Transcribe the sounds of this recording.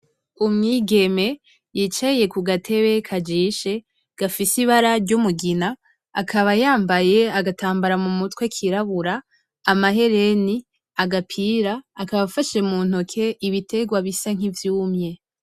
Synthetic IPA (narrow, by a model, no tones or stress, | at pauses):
umŋiːɡe̞me̞ | jiːt͡ʃaje̞kuɡatʰe̞βe̞kʰad͡ʒiːʃe̞ | ɡ̥afisiβaɾaɾɟumuɡina̰ː | kʰaβajaːmbaje̞aɡataːmbaɾamumutwekʰiɾaβuɾaː | maɦe̞ɾe̞ni | aɡapʰiːɾaːkaβafaʃe̞muːn̥okʰe̞ʔiβitʰe̞ɡwaβisaŋ̥ivjuːmɲe̞